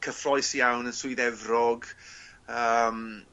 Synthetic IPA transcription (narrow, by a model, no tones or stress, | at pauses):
kʰəfrɔjsjawnənsʊɨðɛvrɔɡ | əːm